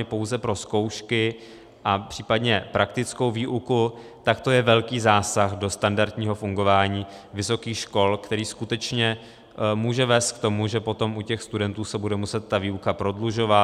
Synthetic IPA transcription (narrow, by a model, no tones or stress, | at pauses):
ɛpo̞wzɛpɾo̞sko̞wʃkɪ | ʔapr̝̥iːpadɲɛpɾʔak̚t̪ɪt͡sko̞wviːʔuku | t̪akt̪o̞jɛvɛlkiːzaːsaxdo̞st̪andaɾt̪ɲiːɦo̞fuŋɡo̞vaːɲiːvɪso̞kiːxʃko̞lkt̪ɛɾiːskut̪ɛt͡ʃɲɛ | muːʒɛvɛːst̪̚k̚t̪o̞muʒɛpo̞t̪o̞mucɛxst̪udɛnt̪uːsɛbudɛmusɛt̪̚ːaviːukapɾo̞dluʒo̞va